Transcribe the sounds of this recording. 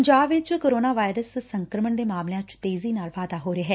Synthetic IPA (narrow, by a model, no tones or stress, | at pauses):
ɲd͡ʒaːbʋɪt͡ʃkoːɾoːnaːʋaːɪɾəssəŋkɾəməɳd̪eːmaːmlejãːt͡ʃt̪eːziːnaːlʋaːd̪aːɦoːɾeːɦɛː